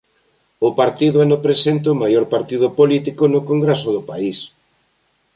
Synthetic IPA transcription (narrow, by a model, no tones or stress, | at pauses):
ʊpaɾt̪iðʊanopɾesent̪eʊmajoɾpaɾt̪ið̞ʊpolit̪ikonʊkoŋɡɾesʊðʊpais